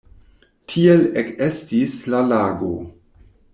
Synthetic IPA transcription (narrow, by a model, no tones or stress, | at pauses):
tʰielekestislalaːɡo̰